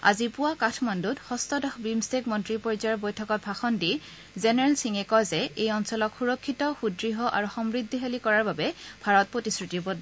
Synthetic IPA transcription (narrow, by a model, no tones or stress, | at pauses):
a̰zipʊwakatʰmanduthɔstɔdɔxbɹimstekmɔntɹipɔɹizaɹbojtʰɔkɔt̚bʱaxɔndi | zenɛɹalsiŋɛkɔjzɛejɔnsɔlɔkxuɹɔkʰːitɔxudɹiɦɔʔaɹuxɔmɹidʱːiɦelikɔɹaɹbabɛbʱaɹɔt̚pɹotisɹitibod